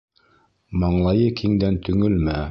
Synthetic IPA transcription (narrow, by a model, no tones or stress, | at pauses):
mɑɴlˠɑjɤkiŋd̪ænt̪ɵ̆ŋɘlmæ